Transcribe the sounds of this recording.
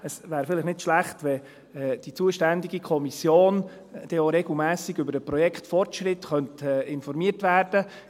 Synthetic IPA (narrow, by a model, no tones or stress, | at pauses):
əsʋæːɾfɪlɪχnɪtʃlæχtʋɛ | d̥it͡suəʃtændiɡikʰɔmisjoːn | d̥ɛjoɾɛɡl̩mæːsɪɡʏbəɾəpɾɔjɛkχtfɔrtʃɾɪtχœntɛːɪnfɔɾmiərtʋæːɾd̥ə